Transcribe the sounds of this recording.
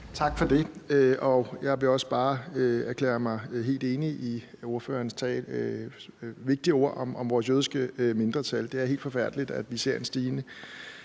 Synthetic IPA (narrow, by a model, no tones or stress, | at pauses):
t͡sʰɑ̈ɡ̥fɒd̥e̝øɒ̽jɑ̈ɪʋe̝ɒ̽sb̥ɑ̈ːøæɐkʰlḛːɐmɑ̈ɪɦe̝̰ːld̥e̝ːniʔi | o̝ɐfø̰ːɐnst͡sʰɛ̰ː | ʋe̝ɡ̥d̥iəo̝̰ɐ̰ɒmʔɒ̽mʋɒːs̬jøːð̞ˠisɡ̥əøme̝nd̥ʁɐt͡sʰæld̥e̝æɐhe̝̰ːld̥fɒ̽fæɐ̰d̥əlid̥æd̥ʋise̝ɐe̝nsd̥iːnə